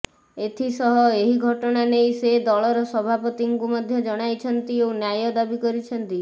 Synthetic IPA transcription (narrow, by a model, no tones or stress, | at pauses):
et̪ʰisɔɦɔeɦiɡʱɔʈɔɽ̃anejsed̪ɔɭɔɾɔsɔbʱapɔt̪iŋkumɔd̪ʱjɔd͡ʒɔɽ̃ajt͡ʃʰɔnt̪iewnjajɔd̪abikɔɾit͡ʃʰɔnt̪i